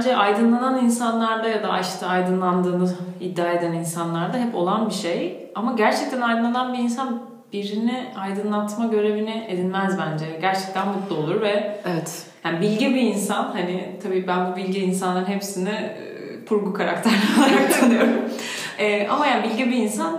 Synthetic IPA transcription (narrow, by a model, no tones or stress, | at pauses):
nd͡ʒɛʔajd̪ɯnlˠananinsanlˠaɾd̪ajad̪aʔaʃt̪ʰɯajd̪ɯnlˠand̪ɯːnɯid̪ːaːe̞d̪æninsanlˠaɾd̪aɦɛpo̞lˠanbiʃej | amaɟæɾt͡ʃʰɛc̚t̪ʰænajd̪ɯnˠananbiinsan | b̥iɾiniajd̪ɯnlˠat̪maɟø̞ɾe̞viniʔed̪inmɛzbænd͡ʒɛɟæɾt͡ʃʰɛ̥c̚t̪ʰænmut̪lˠuo̞lˠuɾvɛevɛt̪ | jaːnibilʲɟibiːnsanhanɪt̪ʰabiːbænbubilʲɟiːnsanˠaɾɯnɦepsinɪ | pʰuɾɡukʰaɾa̰k̚t̪ʰæɾlalˠaɾakd̪nˠijo̞ɾumɛʔa̰majaːnibilʲɟibiːnsan